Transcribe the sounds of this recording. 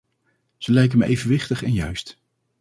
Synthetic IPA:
z̥əlɛjk̬əməʔejvənʋɪχtəχɛnjœɥst

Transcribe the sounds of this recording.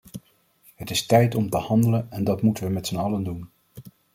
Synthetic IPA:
ɦətɪstɛjtɔmtəhɑndələnɛndɑtmutəʋəmɛtsənɑləndun

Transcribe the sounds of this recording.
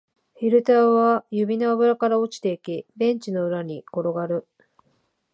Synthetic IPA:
ɸʲiɾɯ̟t̪aːβajɯbʲino̞aβɯ̟ɾakaɾao̞t͡ɕi̥t̪e̞ikʲibẽ̞ɲ̟t͡ɕino̞ɯ̟ɾaɲ̟iko̞ɾo̞ɡaɾɯ̟

